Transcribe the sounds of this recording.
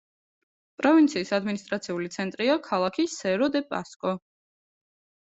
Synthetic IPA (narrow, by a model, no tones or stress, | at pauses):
pʼɾɔvint̪sʰiːsad̪minist̪ʼɾat̪sʰiulit̪sʰɛnt̪ʼɾiakʰalˠakʰisɛɾɔd̪ɛpʼa̰skʼɔ